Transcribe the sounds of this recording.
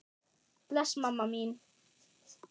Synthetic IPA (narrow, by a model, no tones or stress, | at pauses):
plasmamamin